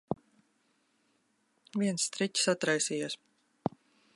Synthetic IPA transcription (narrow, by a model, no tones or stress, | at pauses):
viɛnst̪ɾit͡ʃʲi̥sat̪ɾajsijus